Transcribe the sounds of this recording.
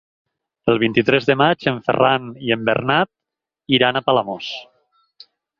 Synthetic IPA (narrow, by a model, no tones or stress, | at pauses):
əlˠβ̞int̪it̪ɾɛzðəmad͡ʒəɱfə̰rʔaniəmbə̰ɾnat̪̚ | iɾanapalamos